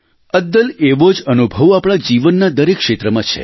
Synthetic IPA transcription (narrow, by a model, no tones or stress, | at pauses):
əd̪ːəleʋod͡ʒənubʱəʋapɳ̃ad͡ʒiʋənːad̪əɾekʃet̪ɾəmãt͡ʃʰḛ